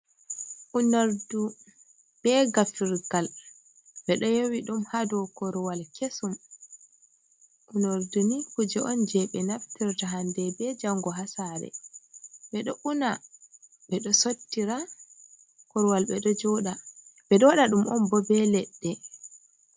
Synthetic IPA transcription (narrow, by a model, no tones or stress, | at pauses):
ʔunoɾdu | ɓɛɡafiɾɡal | ɓɛɗɔjowiɗumhadɔkɔɾwalkesum | ʔunoɾdunikud͡ʒɛʔɔnd͡ʒɛɓɛnaftiɾtaɦandɛbɛd͡ʒaŋɡɔɦasaɾɛ̰ | ɓɛɗɔʔuna | ɓɛɗɔsotːiɾa | kɔɾwalɓɛɗɔd͡ʒɔɗaɓɛɗɔɗaɗumʔɔnbɔbɛlɛɗːɛ